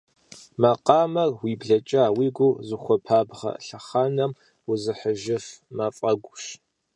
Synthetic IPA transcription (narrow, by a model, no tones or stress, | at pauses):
mɐqɑːmɐrwiːbɮɐt͡ʃʼaːwiːɡʷʊzɨχʷɔpʰaːbʁɐ̰ɬɐχaːnɐm | wʊzɨħəʒɪfmɐfʼɐɡʷʊɕ